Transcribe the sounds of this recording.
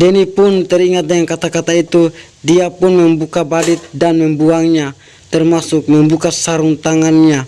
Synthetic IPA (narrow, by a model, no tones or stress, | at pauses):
dɛnipunt̪ɛɾiŋat̪̚dɛŋaŋkat̪akat̪ait̪u | diapunmɛmbukabadit̪̚danmɛmbuaŋɲa | t̪ɛrmasuk̚mɛmbukasaɾuŋt̪aŋanɲa